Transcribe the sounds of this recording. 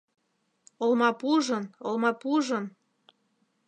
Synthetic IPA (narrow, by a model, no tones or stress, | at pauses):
olmɑpuʒɤnolmɑpuʒɤn